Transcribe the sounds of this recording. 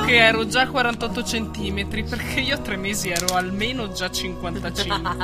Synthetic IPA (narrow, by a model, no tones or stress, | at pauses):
keɛːɾod͡ʒakːwaɾant̪ɔt̪ːot͡ʃent̪iːmet̪ɾiperkʰeiːot̪ːɾemːeːziɛːɾoalmeːnod͡ʒat͡ʃiŋkwant̪at͡ʃiŋ